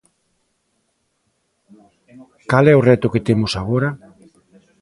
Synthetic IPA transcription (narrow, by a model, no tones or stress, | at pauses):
kalɛʊrɛt̪ʊket̪emʊsaɣ̞oɾa